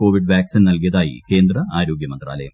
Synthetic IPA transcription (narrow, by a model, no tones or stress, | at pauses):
ko̞ːʋiɖʋjaːksinnɐlkijɐðaːjḭke̞ːnd̪rɐaːɾo̞ːɡjɐmɐnd̪ra̰ːlɐjɐ̰m